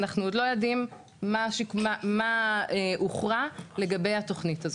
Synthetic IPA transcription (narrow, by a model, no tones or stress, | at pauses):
naχnuod̪lo̞jodimː | aʃikmamaeʔuχʁale̞ɡabe̞jato̞χnitazo